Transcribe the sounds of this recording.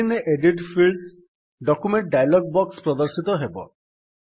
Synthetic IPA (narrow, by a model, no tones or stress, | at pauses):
ineʔeɖiʈpʰils | ɖɔkumeɳʈ̚ɖajlɔɡ̚bɔkspɾɔd̪ɔɾsit̪ɔɦebɔ̰